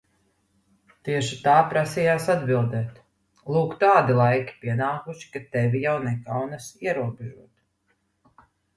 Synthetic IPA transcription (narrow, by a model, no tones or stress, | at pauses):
t̪iɛʃit̪aːpɾasijaːsad̪bilˠd̪ɛːt̪ | lˠuːkt̪aːd̪ilˠajkʲi̥piɛnaːkuʃi̥kat̪ɛvijawnɛkawnasiɛɾuɔbʲɛʒuɔt̪